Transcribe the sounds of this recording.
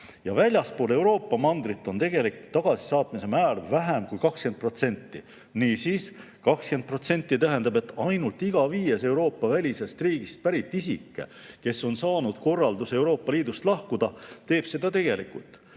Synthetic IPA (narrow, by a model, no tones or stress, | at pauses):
jɑvælʲjɑspoːle̞wɾo̞ːpˑːɑmɑnd̪̥ɾit̪ːˑo̞nt̪e̞ɡ̥e̞likt̪ɑɡ̥ɑsi̥sɑːt̪mise̞mæːlvæɦæmkujkɑkske̞nd̪̚pro̞t̪se̞nʲt̪ˑːḭ | niːsiːs | kɑkske̞nd̪̚pro̞t̪se̞nʲt̪ˑːit̪æɦe̞nd̪̥ɑbe̞t̪ːˑɑjnult̪iɡ̥ɑviːje̞se̞uwɾo̞ːpːɑvælʲise̞st̪riːɡ̥ist̪̚pæɾit̪ːˑisḭkːe̞̰ke̞sːo̞nsɑːnud̪̥ko̞rːɑld̪use̞wɾo̞ːpːɑliːd̪ust̪lɑhkud̪̥ɑt̪e̞ːb̥se̞d̪ɑt̪e̞ɡ̥e̞likˑult̪ːˑ